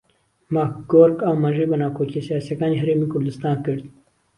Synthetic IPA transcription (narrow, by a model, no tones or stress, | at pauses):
maɡoːɾkaːwmɐʒeːbənɑːkʰoːkisijaːsijɐkɑːneːɦɐɾeːmiːkʊɾd̪ɨst̪ɑːnkɨɾd̪